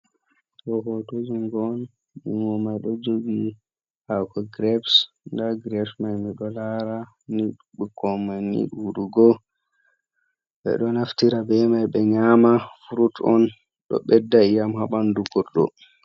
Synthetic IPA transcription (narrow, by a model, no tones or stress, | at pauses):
kɔɦotod͡ʒuŋɡɔn | juŋɡɔmajɗɔd͡ʒoɡi | hakɔɡɾɛps | ndaɡɾɛpsmajmiɗɔlaɾa | niɗ | ɓukɔmanḭɗuɗuɡɔ | ɓɛ̰ɗɔnaftiɾabɛmajɓɛɲamafuɾutɔn | ɗɔ̰ɓɛdːaijamhaɓanduɡɔɾɗɔ̰